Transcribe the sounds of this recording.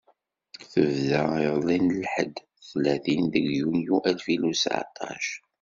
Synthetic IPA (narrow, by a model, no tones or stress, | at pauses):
θəvðəilˤinəlħə̰d̪ | θlæθinðəɡjunjuʔælfilusʕa̰t̪ˤɑ̰ʃ